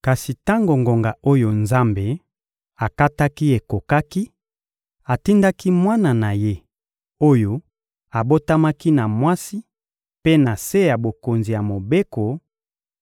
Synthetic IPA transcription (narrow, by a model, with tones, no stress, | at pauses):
ka˨si˨ta˦ŋɡo˨ŋɡo˨ŋɡa˨o˦jo˨nza˦mbe˨ | a˨ka˦ta˦ki˦e˨ko˨ka˦ki˦ | a˨ti˦nda˦ki˦mwa˦na˨na˨je˦ | o˦jo˨ | a˨bo˦ta˦ma˦ki˦na˨mwa˦si˦ | pe˦na˨se˦ja˨bo˨ko˨nzi˨ja˨mo˨be˦ko˨